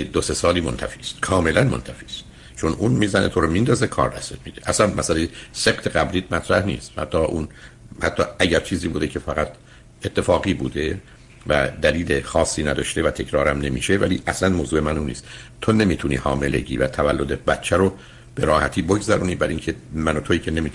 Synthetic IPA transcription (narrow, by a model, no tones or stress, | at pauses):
d̪ose̞sɒːliːmont̪ʰæfi̥ːst̪kʰɒːme̞lænmont̪ʰæfi̥ːst̪̚ | t͡ʃʰonuːnmiːzænʔḛt̪ʰoɾomind̪ɒːzekʰɒ̰ːɾd̪æsemid̪eʔæslænmæsælejese̞qt̪ʰeɡæbɾiːd̪mæt̪ʰɾæhnḭːst̪hæ̰t̪ʰːɒːʔun | hæt̪ʰːɒːæɟæɾt͡ʃʰiːziːbuːd̪ecʰe̞fæɣæt̪ʰ | e̞t̪ʰːe̞fɒːɡiːbṵːd̪e̞ | væ̰d̪æliːlexɒːsːiːnæd̪ɒːʃt̪e̞væt̪ʰe̞cʰɾɒːɾæmne̞mḭːʃe̞væliːʔæslænmoːzuːemænunḭːst̪t̪ʰone̞miːt̪ʰunḭːhɒ̰ːme̞le̞̰ɟiːvæ̰t̪ʰævælːod̪ebæt̪t͡ʃʰæɾo | b̥e̞ɾɒːhæt̪ʰiːboɡzæɾuːniːbæɾiŋcʰemænot̪ʰoiːcʰe̞ne̞miːt̪ʰ